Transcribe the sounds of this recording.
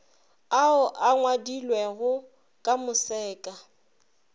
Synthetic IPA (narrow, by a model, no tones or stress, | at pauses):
aʊʔaŋwadilwɛɣʊ | kʼamʊsɛːkʼa